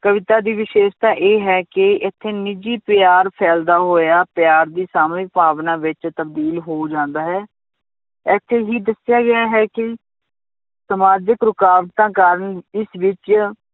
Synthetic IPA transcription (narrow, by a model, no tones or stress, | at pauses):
kəʋɪt̪aːd̪iːʋɪʃeːʃt̪ãːʔeːɦɛːkɪɪt̪ʰːeːnɪd͡ʒiːpɪjaːɾpʰɛːld̪aːɦoːjaːpjaːɾd̪iːsaːmiːpaːʋnãːʋɪt͡ʃt̪əbd̪iːlɦoːd͡ʒãːnd̪aːɦɛː | ɛːt̪ʰːeːɦiːd̪əsɪjaːɡɪjaːɦɛːkɪ | səmaːd͡ʒəkɾʊkaːʋt̪ãːkaːɾənɪsʋɪt͡ʃ